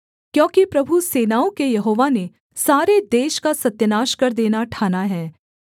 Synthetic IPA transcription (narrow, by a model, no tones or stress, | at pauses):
kjõːkipɾɐbʱuseːnaːõkejɐɦoːʋane | saːɾed̪eːʃkasɐt̪jənaːʃkɐɾd̪eːnaʈʰaːnaɦɛː